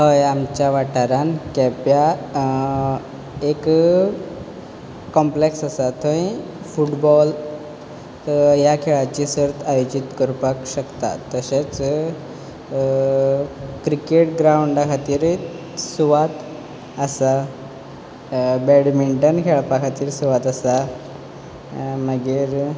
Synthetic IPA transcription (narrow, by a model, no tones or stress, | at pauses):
ɦəjamt͡ɕjaʋaʈaɾankɛpja | ek | kːɔmpleksasat̪ʰə̃ĩ | fuʈbɔl | jakʰeɭat͡ɕisəɾt̪ʰajod͡ʑit̪kəɾpakɕəkt̪a̰t̪ːəɕet͡s | kɾikeʈɡɾauɳɖakʰat̪iːɾ | suʋat̪ | asa | bɛɽmiɳʈənkʰeɭpakʰat̪iːɾsuʋat̪asa | məɡiːɾ